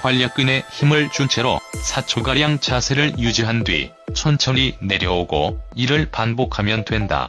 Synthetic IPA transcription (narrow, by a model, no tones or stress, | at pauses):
kwaʎːak͈ɯne̞çimɯɭt͡ɕut͡ɕʰe̞ɾo̰sʰat͡ɕʰoɡaɾjaŋt͡ɕasʰe̞ɾɯɭjud͡ʑiɦandwɥḭ | t͡ɕʰʌnt͡ɕʰʌine̞ɾjʌoɡo̰iɾɯɭpanbokʰamjʌndwe̞nda̰